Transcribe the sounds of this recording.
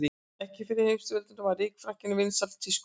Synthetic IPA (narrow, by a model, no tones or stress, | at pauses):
i | ɛhcɪfɪɾɪɾ̥hejmst̪ɪvɛlt̪ʏnt̪avaɾiːkfɾahcɪnʏvɪnsalt̪ʰːisk